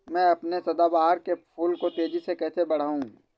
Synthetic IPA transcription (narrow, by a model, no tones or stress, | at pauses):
mɛ̃ːɐpnesɐd̪abaːɦəɾkepʰuːlkot̪eːd͡ʒisekɛːsebɐɽ̤aːũː